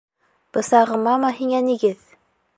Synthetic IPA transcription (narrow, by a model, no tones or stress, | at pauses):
b̥ɤ̆sɑʁɤ̆mɑmɑɦiŋæniɡɘð